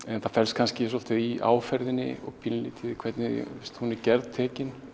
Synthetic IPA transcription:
ɛnθafɛlskʰanscɪs̬ɔlt̪ɪðia̰ːwfɛɾðɪnːɪ̰ɔ̰ɣpʰɪnliːt̪ʰɪðkʰvɛɾt̪nɪ̰ɪst̪hunɪɾcɛɾðt̪ʰːɛːcɪn

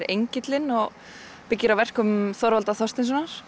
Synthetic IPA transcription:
ɾejɲcɪt̪lɪnɔɣ | pɪcːɪɾawvɛr̥kʏmθɔɾvalt̪aθɔr̥st̪ɪns̬ɔnaɾ̥

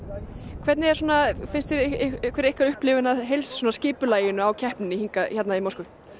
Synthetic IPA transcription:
kʰvɛt̪nɪɛɾ̥sɔːnafɪnst̪ɪɾkvɛɾejhkvaɾʏhplɪvɪnaðɦejlsːɔːnascɪːpʏlaːjɪnʏawcʰɛhpnɪhiŋkaçɛt̪naimawɾskʏ

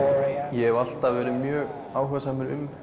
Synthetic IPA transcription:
jɛɛval̥t̪avɛːɾʏmjœːɣ | aːwɦɛsaːmɪɾʏm

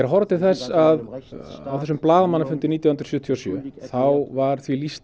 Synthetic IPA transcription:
ɛɾaɦɔɾt̪ɪθɛsːaða̰wθɛsːʏmplaːðamanːafʏnt̪ɪniːt̪jahnɾ̥sjʏːt̪ʰiɔsjœ̰θawvaɾ̥θvilist̪

